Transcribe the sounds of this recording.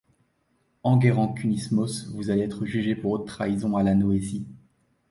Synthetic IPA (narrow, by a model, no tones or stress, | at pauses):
ɑ̃ɡeʁɑ̃kʲʰynismɔsvuzaleɛt̪χəʒyʒepuʁot̪χaizɔ̃alanɔezi